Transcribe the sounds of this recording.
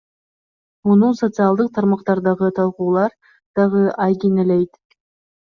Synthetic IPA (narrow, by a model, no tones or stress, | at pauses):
munuso̞t̪sɨɑlˠd̪ɯq̚t̪ʰɑɾmɑq̚t̪ɑɾd̪ɑʁɯt̪ʰɑlˠquːlˠɑɾ | d̪̥ɑʁɯʔɑjkʲinelejt̪